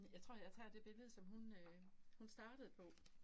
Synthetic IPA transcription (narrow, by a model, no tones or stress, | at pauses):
jɑ̈ɪt͡sʰʁo̰ɐjɑt͡sʰɛ̰d̥e̝b̥e̝ʋe̝ð̰ˠsɒ̽mɦunøhunsd̥ɑ̈ːɾ̥əð̞̩ˠpʰɒ̽